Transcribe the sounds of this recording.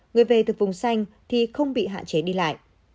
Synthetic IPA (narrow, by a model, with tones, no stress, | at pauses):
ŋɨ˨˩əjve˨˩t̪ɨ˨˩vʊ˨˩ŋ͡msa˧jŋ̟ | t̪ʰi˨˩xə˧wŋ͡mɓḭ˧˨ɦa̰ː˧˨nt͡ɕe˨˦ɗi˧la̰ː˧˨jʔ